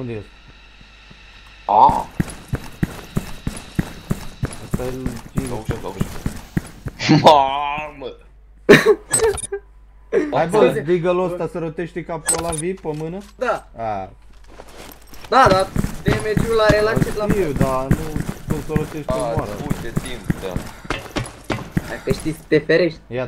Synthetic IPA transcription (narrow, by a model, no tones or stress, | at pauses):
und̪ejest̪ | a | asfeelt͡ʃinzoʃakoe | mamə | ajbəb̪iɡəlost̪asəɾot̪eʃt̪ikapolavipəmɨnəd̪aa | d̪ad̪ad̪emed͡ʒulaɾelakt͡ʃelaiwd̪anukunsəɾot̪eʃt̪amaɾaud̪et̪impd̪a̰ | d̪akəʃt̪it͡sʲt̪efeɾeʃt̪̚ʲja